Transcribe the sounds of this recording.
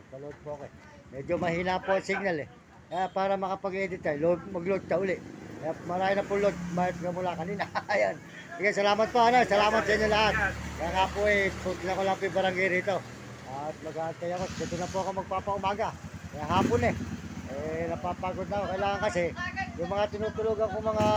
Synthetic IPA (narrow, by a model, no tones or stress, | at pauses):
sɐlood̪̚poɐkoɛ | mɛd͡ʒomɐhiːnapoɐŋsɪɡ̚nalɛ | apaːɾɐmɐkapɐɡed̪ɪt̪ajlod̪̚mɐɡlod̪̚kaʊlɪʔjamɐɾaːjonɐpʊlod̪̚majp̪kamʊlakɐniːnɐɐjon | sɪɡas̬ɐlaːmat̪̚poɐnosɐlaːmat̪̚sɐiɲːolaɦat̪̚kɐjaŋaːpoɛtut̪ɪnɐkolaŋpibɐɾaŋɡajɾiːt̪o̞ | at̪̚mɐɡaʔɐnt̪ɐjɐkot̪ɪd̪ʊnapoɐkomɐɡ̚paːpaʊmaːɡakɐjaɦaːpʊnɛɛnɐpapaːɡod̪̚nakokɐilaːŋaŋkɐsɪjʊŋmɐŋat̪ɪnuːt̪ʊluɡɐŋkomɐŋa